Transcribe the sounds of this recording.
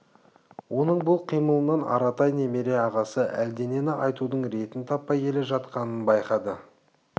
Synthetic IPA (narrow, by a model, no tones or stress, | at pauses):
wʔo̞nəɴbʊlˠqʰijməlˠənɑnɑ̰ɾɑt̪ɑjne̞me̞ɾe̞ɑʁɑsəʔæld̪e̞ne̞nɪʔɑjt̪ud̪əɴɾe̞t̪ɪnt̪ʰɑpːɑjkʲʰe̞le̞ʒɑt̪qɑnənbɑjqɑd̪ə